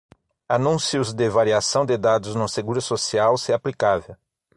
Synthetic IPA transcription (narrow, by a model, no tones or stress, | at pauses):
anũsiʊzd̪evaɾiasɐ̃w̃d̪ed̪ad̪ʊznʊseɡuɾʊsosiawseaplikavew